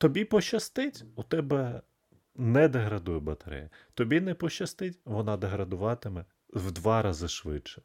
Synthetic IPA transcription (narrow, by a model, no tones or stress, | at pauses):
t̪ɔbʲipɔʃɐst̪ɪtʲut̪ɛbɛ | nɛd̪ɐɦɾɐd̪ujɛbɐt̪ɐɾɛ̰jɐt̪ɔbʲinɛpɔʃɐst̪ɪtʲʋɔnɑd̪ɐɦɾɐd̪ʊʋɑt̪ɪmɛ | wd̪ʋɑɾɑzɪʃʋɪ̰t͡ʃːɛ̥